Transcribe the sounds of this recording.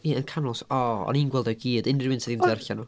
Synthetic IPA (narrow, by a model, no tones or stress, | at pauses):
iənkʰanɔlˠsɔɔ̰ninɡwɛlˠdaɡiːdɪnrɪwɪntsidindɛrɬanu